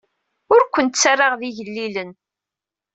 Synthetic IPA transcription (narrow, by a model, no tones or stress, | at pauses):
ʊɾkʷːənt̪t͡sːarːaʁðiʝəlːilən